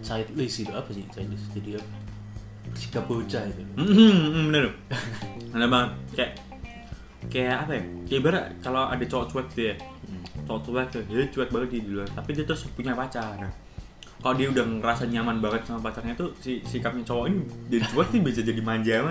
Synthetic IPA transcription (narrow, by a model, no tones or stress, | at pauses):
t͡ʃaɪt̪̚ləsiduʔapasit͡ʃaɪt̪̚ləsd͡ʒadiapa | si̥kap̚bəut͡ʃait̪um̩ːʔm̩bənərʊ | ənabaŋət̪̚kajaʔ | kajaʔːpajakaabaɾa̰ʔkaloa̰dat͡ʃɔwɔʔt͡ʃuwɛk̚t̪uja | t͡ʃowɔʔt͡ʃuwɛk̚t̪uɦet͡ʃuɛk̚baŋət̪̚diaduluat̪apidiat̪ɾʊspuɲapat͡ʃana | kaloʔdiaudaŋrasaɲamanbaŋət̪̚samapat͡ʃarɲat̪usisikap̚ɲat͡ʃowɔʔinid͡ʒadit͡ʃuɛk̚t̪ubias̬ad͡ʒadimaɲd͡ʒama